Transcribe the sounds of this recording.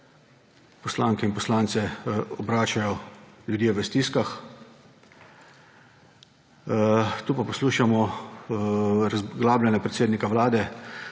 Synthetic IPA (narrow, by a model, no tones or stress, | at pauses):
pɔslaːŋkɛinpɔslaːnt̪sɛɔbɾaːt͡ʃajɔljud̪jeːʋəst̪iskax | t̪uːpapɔsluːʃamɔ | ɾazɡlaːblʲɛnɛpɾɛt̪seːd̪nikawlaːd̪ɛ